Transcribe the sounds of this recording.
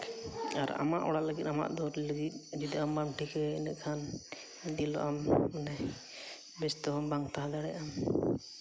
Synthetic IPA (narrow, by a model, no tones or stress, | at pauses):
aɾa̰maʔɔ̰ɽaʔləɡit̪̚ama̰ʔd̪ɔɾləɡit̪̚d͡ʒid̪ɔambamʈʰikəinəʔkʰan | id̪ilɔ̰ʔamːanɛ | bɛst̪ɔbaŋt̪aɦad̪aɽɛʔam